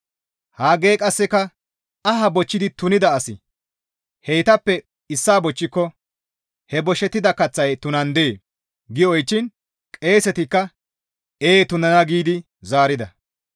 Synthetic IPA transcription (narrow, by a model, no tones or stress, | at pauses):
haːɡe̞ːkʼɐsːɛkɐ | ɐhɐbɔt͡ʃːɪd̪ɪt̪ʊnɪd̪ɐːsɪ | hɛjt̪ɐpːɛ | ɪsːaːbɔt͡ʃːɪkːɔ | hɛbɔʃɛt̪ːɪd̪ɐkɐt͡sːɐjt̪ʊnɐnd̪e̞ː | ɡɪɔjt͡ʃːɪn | kʼe̞ːsɛt̪ɪkːɐ | eːt̪ʊnɐnɐɡiːd̪ɪ | zaːɾɪd̪ɐ